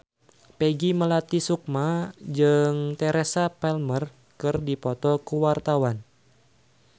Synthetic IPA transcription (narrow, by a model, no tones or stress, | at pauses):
pɛɡiməlat̪isuk̚mad͡ʒɨŋt̪ɛɾɛsapɛlmər | kɨrdipɔt̪ɔkuwart̪awan